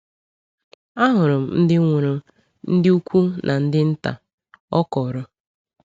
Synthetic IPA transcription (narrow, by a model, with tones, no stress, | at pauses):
a˦ɦʊ˨ɾʊ˨m̩˨n̩˦dɪ˦ŋʷʊ˨ɾʊ˨ | n̩˦dɪ˦u˦kʷu˦nʔa˨n̩˦dɪ˦n̩˦ta̰˨ | ɔ˦kɔ˨ɾʊ˦